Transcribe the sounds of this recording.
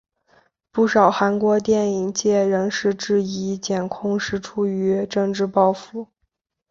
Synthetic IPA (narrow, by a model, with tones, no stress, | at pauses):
pu˥˩ʂɑ˨˩ʊxa˧˥nkwɔ˧˥t̪̬jɛ˥˩ni˨˩ŋt͡ɕjɛ˥˩ɻə˧˥ŋʂɻ̩˥˧ʈ͡ʂɻ̩˥˧i˧˥t͡ɕjɛ˨˩nkʰʊ˥˧ŋʂɻ̩˥˩ʈ͡ʂʰu˥y˧˥ʈ͡ʂɤ˥˧ŋʈ͡ʂɻ̩˥˧pɑ˥˧ʊfu˧˥